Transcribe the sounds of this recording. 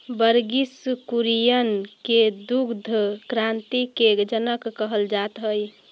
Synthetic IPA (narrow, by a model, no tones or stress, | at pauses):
bəɾɡiskuɾijənked̪uɡd̪ʱəkɾant̪iked͡ʒənəkːəɦəld͡ʒat̪ɦəj